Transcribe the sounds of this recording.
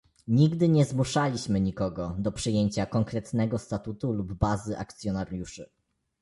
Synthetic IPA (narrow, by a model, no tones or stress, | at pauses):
ɲiɡd̪ɘɲɛzmuʂalʲiɕmɘɲikɔɡɔd̪ɔpʂɘjeɲt͡ɕakɔŋkɾɛt̪nɛɡɔst̪at̪ut̪ulubːazɘʔa̰k̚t̪sʲjɔnaɾʲjuʂɘ